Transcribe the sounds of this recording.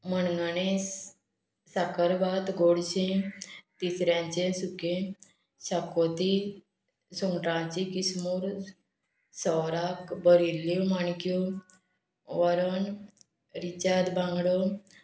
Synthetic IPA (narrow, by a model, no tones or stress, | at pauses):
mənɡanes | sakəɾbat̪ɡoɽɕẽt̪isɾjãɲt͡ɕesukẽ | ɕakot̪i | suŋɡʈãt͡ɕikismuːɾ | sɔwɾakbəɾilːjomaɳkju | ʋəɾən | ɾit͡ɕad̪bãŋɡɽə